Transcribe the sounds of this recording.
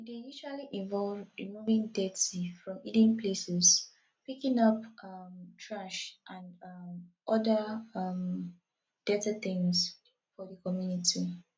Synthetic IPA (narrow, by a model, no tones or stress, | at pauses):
dejuʃualiʔĩvɔlvɹimuvĩŋdetifɹɔ̃midĩnplesɛs | pikĩŋʌpʌmtʰɹaʃʔãnd | ʔɔdaʌm | d̥ɛtat̪ĩŋs | fɔdəkɔmjunitʰi